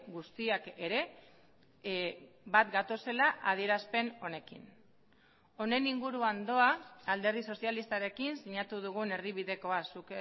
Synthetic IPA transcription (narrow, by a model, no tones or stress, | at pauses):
ɡust̪iake̞ɾe̞ | bat̪ɡat̪o̞se̞laʔað̞ie̞ɾaspe̞no̞ne̞kḭn | o̞ne̞niŋɡuɾuand̪o̞aald̪e̞ɾðiso̞sjalist̪aɾe̞kinsiɲat̪uðuɣ̞une̞riβ̞iðe̞ko̞asuk